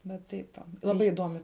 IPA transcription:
ʋɐ ˈtɐɪp ʋɐ lˠɐˈbɐɪ ɪˈdoːmʲɪ

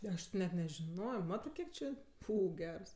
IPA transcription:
ˈɐʃ tʲɪ ˈnʲɛt nʲɛʒʲɪˈnoːjoː ˈmɑːtɜ ˈkʲiɛk t͡ʃʲɪ ˈfuː ˈɡʲɛrs

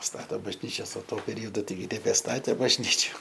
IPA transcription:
ˈstɑːtoː bɐʒʲˈnʲiːt͡ʃʲɛs oː ˈtuɔ pʲɛˈrʲɪjoːdʊ ˈtɐɪɡʲɪ nʲɛbʲɛˈstɑːtʲeː bɐʒʲˈnʲiːt͡ʃʲʊ

